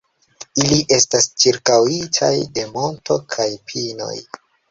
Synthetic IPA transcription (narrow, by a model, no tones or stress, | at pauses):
iliʔe̞stast͡ʃiɾkawitʰa̰jde̞mo̞nto̞kʰajpʰino̞̰j